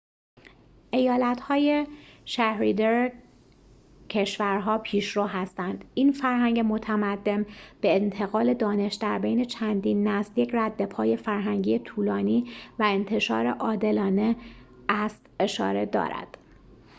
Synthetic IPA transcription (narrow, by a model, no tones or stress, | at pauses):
ʔe̞jɒːlæt̪hɒːjeʃæhɾiːd̪eɾ | cʰe̞ʃvæɾɦɒːpʰiːʃɾoːɦæst̪ænd̪̥iːnfæɾɦæŋɟe̞mo̞t̪ʰæmæd̪ːe̞mb̥e̞ːnt̪ʰeɣɒːle̞d̪ɒːne̞ʃd̪æɾbe̞jne̞t͡ʃʰænd̪iːnːæsljecʰræd̪ːe̞pʰɒːje̞fæɾɦæŋɟiːet̪ʰuːlɒːniːvæe̞nt̪ʰe̞ʃɒ̰ːɾe̞̰ʔɒːd̪e̞lɒːne̞ | æst̪e̞ʃɒ̰ːɾe̞d̪ɒ̰ːɾæ̰d̪̥